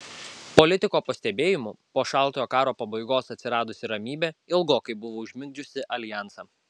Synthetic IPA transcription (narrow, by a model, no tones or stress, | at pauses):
pɔlʲɪt̪ʲɪkoːpɐsʲt̪ʲɛbʲeːjɪmʊpoːʃɑˑlˠt̪oːjoːkɑːɾoːpɐbɐɪɡoːsɐt̪ʲsʲɪɾɑːd̪ʊsʲɪɾɐmʲiːbʲɛɪlˠɡoːkɐɪbʊʋoːʊʒʲmʲɪŋɡd͡ʒʲʊsʲɪʔɐlʲɪjæˑnsɐ